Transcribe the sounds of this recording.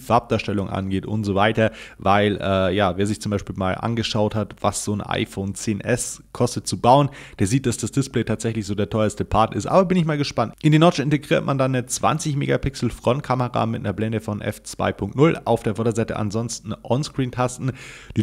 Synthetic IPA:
faɐp̚d̥aːʃtɛlʊŋʔa̰nɡeːtʔʊ̰ntz̥ovaɪtɐvaɪlʔɛːjaːveːɐzɪçt͡sʊmbaɪʃpiːlma̰ːlʔa̰nɡəʃaʊthatv̥a̰sz̥oːnʔa̰ɪfoːnt͡seːnʔɛskʰɔstət̚t͡subaʊənd̥eːɐziːt̚d̥asd̥asd̥ɪsplɛɪtʰaːtz̥ɛçlɪçz̥oːdeːɐtʰɔʏɐəstəpʰaɐtɪstʔa̰ːbɐbɪnɪçmaːlɡəʃpantʔɪndiːnɔɐt͡ʃɪnteɡʁiːɐtmandanːət͡sv̥a̰nt͡sɪçmḛːɡapɪksl̩fʁ̥ɔnt̚kʰaməʁa̰mɪt̚nɐblɛndəfɔnʔɛ̰ft͡sv̥a̰ɪpʰʊŋk̚tnʊla̰ʊfd̥eːɐfɔɐdɐzaɪtə̰ʔa̰nzɔnstn̩ʔɔnskʁ̥iːntʰastn̩d̥iː

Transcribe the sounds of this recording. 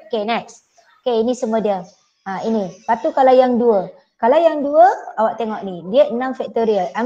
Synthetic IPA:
okenak̚s | okeinĩsəmədiə | ainipat̪ukalajaŋduə | kalawjaŋduəawaʔt̪eŋɔʔnidiəənãmfɛk̚t̪oɾiəʔa

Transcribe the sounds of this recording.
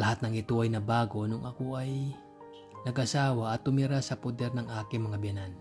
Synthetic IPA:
ɐhat̪̚nɐŋɪt̪oʔɐjnɐbaːɡo̞nʊŋʔɐkoʔɐj | nɐɡʔɐsaːwɐʔɐt̪ːʊmɪɾasɐpod̪ɛɾnɐŋʔaːkɪŋmɐŋabjɐnan

